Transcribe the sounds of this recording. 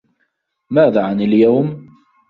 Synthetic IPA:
maːðaːʕanɪljawm

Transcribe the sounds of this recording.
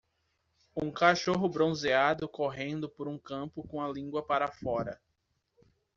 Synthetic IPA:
ũkaʃoɦʊbɾõzead̪ʊkoɦẽnd̪ʊpoɾũkɐ̃pʊkõɐlĩɡwɐpaɾɐfɔɾɐ̰

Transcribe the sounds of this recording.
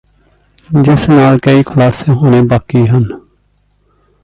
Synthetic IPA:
d͡ʒɪsnaːlkəiːkʰʊlaːseːɦoːneːbaːkiːɦən

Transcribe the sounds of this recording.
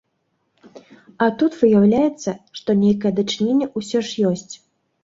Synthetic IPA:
ɐt̪ut̪vɨjawlʲajɛt̪sːɐʂt̪ɔnʲejkɐjɛd̪ɐt͡ʂɨnʲenʲːɛʔusʲɔʂjɔsʲt͡sʲ

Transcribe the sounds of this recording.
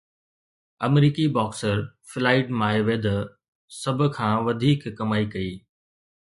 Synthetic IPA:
ɐmɾiːkibɔːksəɾfɪlaːɪɖmaːeʋed̪ɐ | sɐbʱʊ̆kʰãːʋɐd̪ʱiːkːɐmaːikɐiː

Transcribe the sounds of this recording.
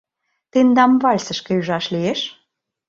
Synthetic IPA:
t̪end̪ɑmβɑlʲsə̆ʃkĕyʒɑʃlieʃ

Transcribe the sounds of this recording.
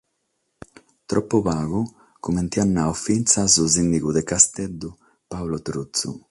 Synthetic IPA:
t̪ɾɔpːuβaːɣu | kument̪ianːawfint̪sazuzinːiɣud̪ekast̪ɛd̪ːu | pawlot̪ɾut̪sṵ

